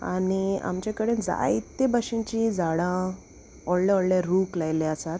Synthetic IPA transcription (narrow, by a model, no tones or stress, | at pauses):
a̰nia̰mt͡ɕakəɽed͡za̰it̪ːebaɕĩt͡ɕĩd͡zaɽã | ɔɽljaɔɽlaɾuklajleasat̪